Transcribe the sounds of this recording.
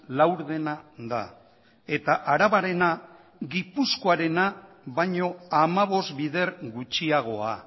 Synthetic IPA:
lawɾðe̞naða̰ | e̞t̪aʔaɾaβaɾe̞na | ɣipusko̞aɾe̞na | βajɲo̞amaβo̞st̪biðe̞ɾɡut͡ʃiaɣ̞o̞a

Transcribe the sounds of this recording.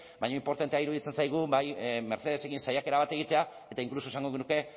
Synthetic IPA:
bajɲoimpo̞ɾt̪ant̪eaiɾuðit͡se̞nsajɣ̞ubajme̞ɾθe̞ð̞e̞se̞kinsajake̞ɾaβat̪e̞ɣ̞it̪e̞a | e̞t̪aiŋklus̬osaŋɡo̞ɣenuke̞

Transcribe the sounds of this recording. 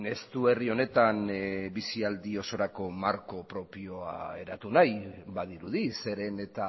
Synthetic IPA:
e̞st̪ue̞rio̞ne̞t̪anbisiald̪io̞so̞ɾako̞maɾko̞pɾo̞pio̞a̰e̞ɾat̪unajbaðiɾuðise̞ɾe̞ne̞t̪a

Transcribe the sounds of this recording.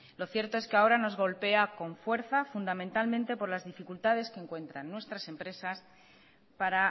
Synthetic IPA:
lo̞θje̞ɾt̪o̞e̞skeao̞ɾano̞zɣ̞o̞lpe̞ako̞ɱfwe̞ɾθafund̪amẽnt̪almẽnt̪e̞po̞ɾlazðifikult̪að̞e̞skeŋkwe̞nt̪ɾanːwe̞st̪ɾase̞mpɾe̞sas | paɾa

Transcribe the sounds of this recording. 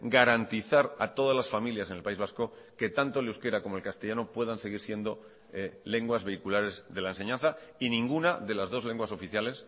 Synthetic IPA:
ɡaɾant̪iθaɾat̪o̞ð̞azlasfamiljase̞ne̞lpaizβasko̞ | ke̞t̪ant̪olewske̞ɾako̞mo̞elkast̪e̞ʝano̞pwe̞ðanse̞ɣ̞iɾsje̞nd̪o̞ | ele̞ŋɡwazβe̞ikulaɾe̞zðe̞laense̞ɲãnθainĩŋɡunaðe̞lazðo̞zle̞ŋɡwaso̞fiθjale̞s

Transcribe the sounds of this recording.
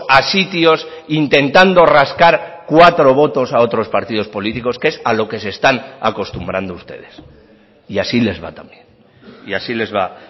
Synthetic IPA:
asit̪jo̞s | int̪e̞nt̪and̪o̞raskaɾkwat̪ɾo̞β̞o̞t̪o̞sao̞t̪ɾo̞spaɾt̪ið̞o̞spo̞lit̪iko̞ske̞salo̞ke̞se̞st̪ana̰ko̞st̪umbɾand̪oust̪e̞̰ð̞e̞s | iasile̞zβa̰t̪ambje̞n | iasile̞zβa

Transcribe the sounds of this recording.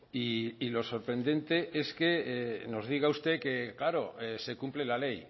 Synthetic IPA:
iːlo̞so̞ɾpɾe̞nd̪e̞nt̪e̞ʔe̞ske̞no̞zðiɣaust̪e̞ke̞klaɾo̞ese̞kumple̞lale̞j

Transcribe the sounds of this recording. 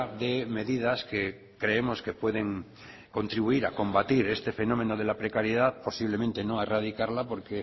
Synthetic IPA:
ðe̞me̞ðiðaske | kɾe̞emo̞ske̞pwe̞ðe̞ŋ | ko̞nt̪ɾiβuiɾako̞mbat̪iɾe̞st̪e̞fe̞no̞me̞no̞ð̞e̞lapɾe̞kaɾjeðaðpo̞siβlemẽnt̪e̞noaerað̞ikaɾlapo̞ɾke

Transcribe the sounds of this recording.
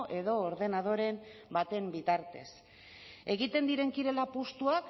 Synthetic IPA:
ʔe̞ðo̞ːɾðe̞nað̞o̞ɾe̞mbat̪e̞mbit̪aɾt̪e̞̰s | e̞ɣit̪e̞nd̪iɾe̞ŋkiɾe̞lapust̪uak

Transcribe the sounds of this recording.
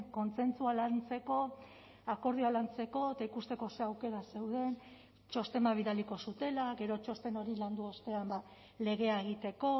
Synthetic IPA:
ko̞nt͡se̞nt͡sualant͡se̞ko̞ | ako̞ɾð̞ialant͡se̞ko̞et̪aikust̪e̞ko̞seawke̞ɾase̞wð̞e̞n | t͡ʃo̞st̪e̞maβ̞iðaliko̞sut̪e̞laɡe̞ɾo̞t͡ʃo̞st̪e̞no̞ɾiland̪uo̞st̪e̞amba | le̞ɣ̞e̞aeɣ̞it̪e̞ko̞

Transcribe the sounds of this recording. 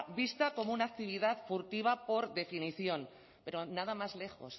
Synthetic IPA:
bist̪ako̞mounak̚t̪iβ̞iðaðfuɾt̪iβ̞apo̞ɾðe̞finiθjo̞n | pe̞ɾo̞naðamazle̞xo̞̰s

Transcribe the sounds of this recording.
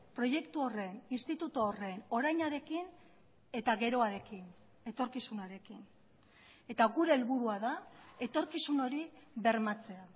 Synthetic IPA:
pɾo̞je̞kt̪uo̞re̞ninst̪it̪ut̪oore̞no̞ɾajɲaɾe̞kin | e̞t̪aɣe̞ɾo̞aɾe̞kin | e̞t̪o̞ɾkisunaɾe̞kin | e̞t̪aɣuɾe̞ːlβuɾuaðae̞t̪o̞ɾkisuno̞ɾiβe̞ɾmat͡se̞a

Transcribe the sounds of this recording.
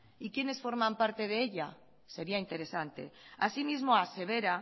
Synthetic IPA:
ikje̞ne̞sfo̞ɾmãmpaɾt̪e̞ð̞eeʎa | se̞ɾiaint̪e̞ɾe̞sant̪e̞̰a̰simizmoase̞β̞eɾa

